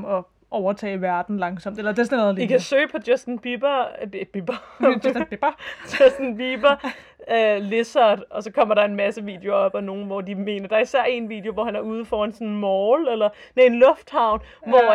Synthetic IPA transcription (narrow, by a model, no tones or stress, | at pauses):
ɒ | ʔɒʊɐt͡sʰɛ̰ːʋæɐd̥n̩lɑ̈ŋsɒ̽m̰d̥elɐd̥e̝snð̩ˠikʰæsø̰ːpʰɒ̽d̥jesd̥nb̥ib̥ɐb̥ib̥ | ɛsd̥nbib̥ɐ | øle̝sɐd̥ɒ̽sɒ̽kʰɒ̽m̰ɐɾ̥ɑ̈e̝nmæsəʋḭːd̥e̝o̝ɐɒ̽b̥ɒno̝ːn̩ʋɒd̥ime̝̰ːnɐd̥ɑ̈ɐisæɐ̰e̝nʋḭːd̥jo̝ʋɒhænæɐuːð̞ˠfɒe̝nsɔ̽nn̩mɒːʊlelɐ | nee̝nlɔ̽fd̥hɑ̈ʊ̰n | ʋɒ